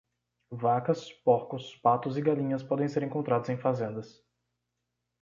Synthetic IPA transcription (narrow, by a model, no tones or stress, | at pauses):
vakɐspoɾkʊspat̪ʊzɪɡalĩɲɐspɔd̪ẽj̃seɾẽŋkõnt̪ɾad̪ʊzẽj̃fazẽnd̪ɐs